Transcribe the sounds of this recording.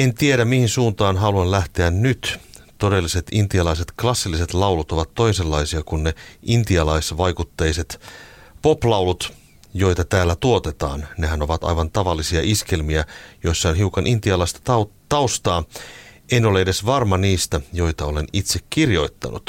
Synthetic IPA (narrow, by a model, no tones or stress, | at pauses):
ent̪ieɾæmmihinsuːnt̪ɑːnɦɑluɑnlæht̪eænnyt̪ | t̪odelːiset̪int̪iɑlɑiset̪klɑsːilːise̞t̪lɑwlut̪o̞ʋɑt̪tːo̞ise̞lːɑisiɑkunneint̪iɑlɑisʋɑjkut̪ːejset̪ | poplɑuwlut̪ | jo̞it̪ɑt̪æːlːæt̪uot̪et̪ɑ̰ːnneɦæno̞ʋɑt̪ɑ̰jʋɑnt̪ɑʋɑlːisiɑʔiske̞lmiæjo̞isːɑonɦiukɑnʔint̪iɑlɑist̪ɑ̥t̪ɑt̪ɑust̪ɑːʔeno̞leede̞sʋɑrmɑniːst̪æjo̞it̪ɑolenit̪sekkirjo̞it̪ːɑ̰nʔṵt̪